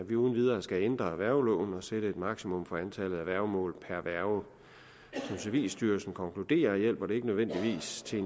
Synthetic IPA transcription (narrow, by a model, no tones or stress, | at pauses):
ʋiuːn̩ʋið̞ˠɐːsɡ̥æend̥ʁɐæʋæɐʊlɔ̰ːʊn̩ɒ̽seɾəe̝d̥mɑ̈ɡ̥simɔ̽mfɒ̽ænt͡sʰælð̩ˠæʋæɐ̰ʊmɔ̰̽ːlpʰæɐʋæɐʊ | sɒ̽mseɐʋḭːlsd̥yːɐsn̩kʰɒ̽ŋkʰlud̥e̝̰ːɐjel̰b̥ɒd̥e̝e̝ɡ̥ənøðˠʋen̰d̥iʋḭːst͡sʰe̝